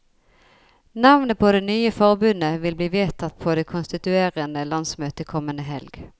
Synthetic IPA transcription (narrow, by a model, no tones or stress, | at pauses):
nɑʋnəpʰoːd̪eːnyːəfɔʁbʉnəʋɪlbliːʋeːt̪ʰɑt̪pʰoːd̪eːkʰʊnst̪ɪt̪ʉeːʁənd̪əlɑnsmøːt̪əkʰɔmənəɦɛlɡ